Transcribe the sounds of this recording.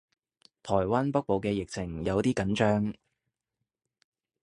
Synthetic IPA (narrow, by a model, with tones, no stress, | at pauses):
t̪ʰɔː˨˩jwaː˥npɐ˥k̚po˨˧wkɛː˧jɪ˨k̚t͡sʰɪ˨˩ŋjɐ˨˧wt̪iː˥kɐ˨˥nt͡ʃœː˥ŋ